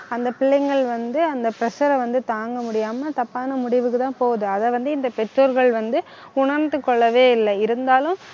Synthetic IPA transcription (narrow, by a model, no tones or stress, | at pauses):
ɐnd̪ɐpɪɭːɐɪŋɡɐɭʋɐnd̪ɯɐnd̪ɐpɪɾɐsɐɾɐʋɐnd̪ɯt̪aːŋɡɐmʊɽɪjaːmɐt̪ɐpːaːnɐmʊɽɪʋɯkːɯt̪ãːpoːðɯɐðɐʋɐnd̪ɯɪnd̪ɐpɛʈɾoːɾɣɐɭʋɐnd̪ɯ | ʊɳɐɾnd̪ɯkːɔɭːɐʋeːɪlːɐɪɾɯnd̪aːlɯ̃m